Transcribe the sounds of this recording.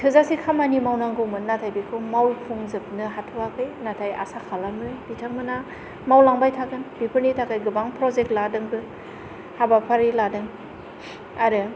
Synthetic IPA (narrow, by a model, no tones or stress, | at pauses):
tʰɯzasikʰamanimawnaŋɡɯwmɯnnatʰajbikʰɯmawpʰuŋzɯp̚nɯɦatʰɔwakʰɯjnatʰaja̰sakʰalamɯbitʰak̚mɯna | mawlaŋbajtʰakɯnbipʰɯɾnitʰakajɡɯbaŋpʰɾɔzek̚tladɯŋbɯ | habapʰaɾiladɯŋ | aɾɯ